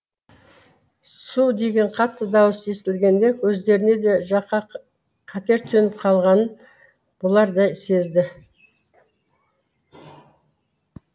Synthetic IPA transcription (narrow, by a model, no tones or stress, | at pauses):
sud̪e̞ɡʲe̞ɴqʰɑt̪ːəd̪ɑwəse̞st̪ɪlɡʲe̞nd̪e̞kʰɵzd̪e̞ɾɪne̞d̪e̞ʒɑqɑ | qʰɑt̪e̞ɾt̪ʰɵnɪp̚qʰɑlˠʁɑnən | b̥ʊlˠɑɾd̪ɑjse̞zd̪ɪ